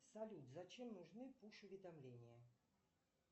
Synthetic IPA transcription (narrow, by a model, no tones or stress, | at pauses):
sɐlʲut̪zɐt͡ɕɛmnuʐnɨpuʂʊvʲɛd̪amlʲenʲijɐ